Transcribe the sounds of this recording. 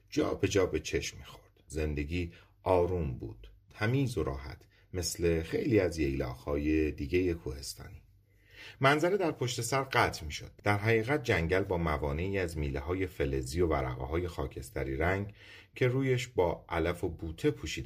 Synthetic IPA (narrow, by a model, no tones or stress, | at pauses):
d͡ʒɒ̰ːbe̞d͡ʒɒːbe̞t͡ʃʰe̞ʃmːiːxoɾd̪̥ze̞nd̪e̞ɟʲiː | ʔɒːɾuːmbṵːd̪̥t̪ʰːæmiːzoɾɒ̰ːɦæ̰t̪ʰ | me̞sle̞xe̞̰jliːæzjejlɒ̰ːɣhɒːje̞d̪iːɟejekʰuːhe̞st̪ɒ̰ːniː | mænzæɾed̪æɾpʰoʃt̪e̞sæɾɢæt̪ʰmiːʃod̪̥̚ːæɾɦæɣiːɣæt̪̚d͡ʒæŋɟælbɒːmævɒːne̞iːæzmiːlehɒːje̞fe̞le̞zijo̞væɾæ̰ɣḛɦɒːje̞xɒːcʰe̞st̪ʰæɾiːɾæŋɡ | cʰe̞ɾuːjeʃbɒːʔælæfo̞buːt̪ʰe̞pʰuːʃiːd̪